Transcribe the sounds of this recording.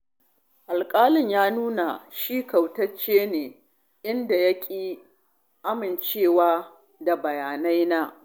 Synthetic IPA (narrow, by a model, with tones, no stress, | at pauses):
ʔa˨lkʼaː˦lɪ˦˨ɲjaː˦nuː˦na˨ʃiː˦ka˨wtɐ˦t͡ʃːeː˦neː˨ | ʔɪ˦nda˨jɐ˦kʲʼiː˨ | ʔa˦mɪ˨nt͡ʃeː˦˨waː˦ | da˨bɐ˨jaː˨na˦jna˦